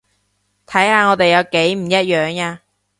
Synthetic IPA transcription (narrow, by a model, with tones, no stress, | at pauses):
t̪ʰɐ˨˥jhaː˧ŋɔː˨˧t̪e˨jɐ˨˧wke˨˥jm̩˨˩jɐ˥t̚jœː˨˧ŋaː˧